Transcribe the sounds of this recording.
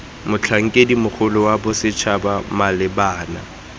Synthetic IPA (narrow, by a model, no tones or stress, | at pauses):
mʊt͡ɬʰaŋ̩kʼedimʊk͡xʰʊlʊwabʊsɪt͡ʃʰabamalɪbaːna̰